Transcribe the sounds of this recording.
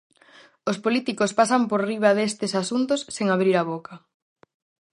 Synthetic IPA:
ospolit̪ikospasɐmpoɾriβ̞ɐðest̪ɪsasunt̪osːeŋaβɾiɾaβokʰɐ

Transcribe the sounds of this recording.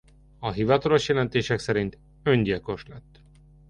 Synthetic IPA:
ɒɦivɒt̪ɒlo̞ʃjɛlɛnt̪eːʃɛksɛɾint̪ | ø̞ɲɟilko̞ʃlɛt̪ː

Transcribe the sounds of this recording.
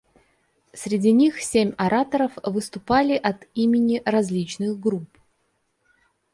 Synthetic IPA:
sʲɾʲɪdʲinʲixsʲemʲɐɾat̪əɾəfvɨst̪ʊpalʲɪʔɐt̪imʲɪnʲɪrɐzʲlʲit͡ɕnɨxɡɾup

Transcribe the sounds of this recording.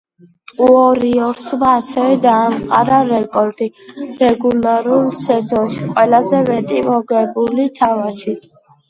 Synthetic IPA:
uɔɾiɔɾt̪sʰmaːsɛvɛd̪aːmqʼa̰ɾaɾɛkʼɔɾd̪̥iɾɛɡulaɾulˠsɛd̪zɔʃiqʼwɛlazɛmɛt̪ʼimɔɡɛbulit̪ʰavaʃi

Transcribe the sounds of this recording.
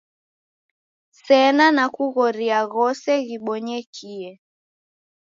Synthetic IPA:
sɛnanakuɣɔɾiaɣɔsɛɣiɓɔɲɛkʰiɛ

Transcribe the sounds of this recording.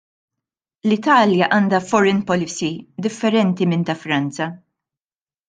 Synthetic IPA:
lɪt̪ɐːljɐʔɐnd̪ɐfɔɾɪnpɔlɪsid̪ɪfːɛɾɛnt̪imɪnt̪ɐfɾɐnt͡sɐ

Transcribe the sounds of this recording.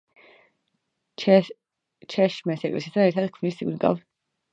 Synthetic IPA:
t͡ʃʰɛʃmɛsɛkʼlɛ̰sisaɛɾt̪ʰad̪kʰvnisiɡnɡa̰v

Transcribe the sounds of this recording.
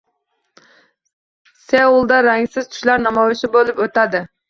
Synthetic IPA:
sewulˠd̪ɑɾæŋsɪzt̪ʰy̥ʃlɑɾnɑmɑwɪʃɪbolˠɨpøt̪æd̪ɪ

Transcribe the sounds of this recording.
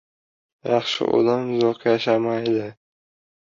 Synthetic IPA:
jɑχʃɪ̰ʔo̰d̪amːʊzɒqʰjaʃamajd̪ɪ

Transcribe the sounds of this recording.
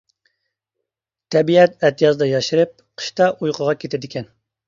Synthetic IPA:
t̪ʰɛbiɛt̪ɛt̪ʰɨjɑzd̪ɑjɑʃiɾɨp̚qʰə̥ʃt̪ɑʔujqʰəʁɑkʲet̪ʰɛd̪ɪkʲɛn

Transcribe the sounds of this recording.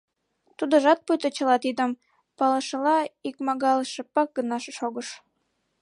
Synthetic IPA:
t̪ud̪oʒɑt̪̚pujt̪ət͡ɕə̆lɑt̪id̪əm | pɑləʃəlɑikmɑɣɑləʃĕpɑk̚ɡənɑʃeʃoɣəʃ

